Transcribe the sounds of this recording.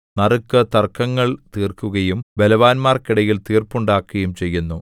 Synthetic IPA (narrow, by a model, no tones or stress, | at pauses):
nɐrɨkːɨt̪ɐrkʰːɐŋːɐɭt̪iːrkːuɣɐjumbe̞lɐʋaːnmaːrkiɽɐjilt̪iːrpːuɳɖaːkːɐjumt͡ɕejːunːu